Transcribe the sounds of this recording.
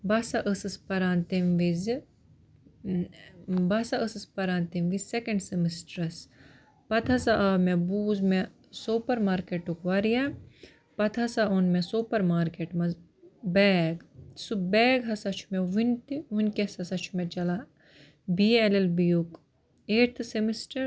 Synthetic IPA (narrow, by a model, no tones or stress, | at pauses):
bɐsɐʔəsɨspɐɾaːnt̪emʋiz | bɐsaəsɨspɐɾaːnt̪emʋisekɐɳɖsimisʈɾɐs | pɐt̪ʰɐsaʔaːmebuːzme | soːpɐɾmaːɾkeʈːukʋɐɾija | pɐt̪ʰɐsaonmẽsoːpɐɾmaːɾkeʈmɐz | bɛːɡsubɛːɡɦɐsɐt͡ʃʰu̥meʋint̪iunkesɐsɐt͡ʃʰu̥met͡ʃɐla | bielelbijuk | eːɾt̪ʰsemisʈɐɾ